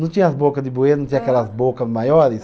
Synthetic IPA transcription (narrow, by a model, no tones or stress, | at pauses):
nɐ̃w̃t̪ĩɲɐɐzbokɐd̪ɪbuenɐ̃t̪ĩɲakɛlɐzbokɐzmajɔɾis